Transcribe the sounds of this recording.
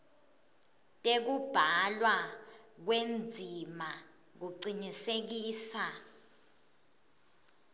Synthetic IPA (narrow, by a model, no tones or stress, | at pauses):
tʼek̬ub̥ʱalwa | k̬wend͡zʱima | k̬uǀinisek̬iːsa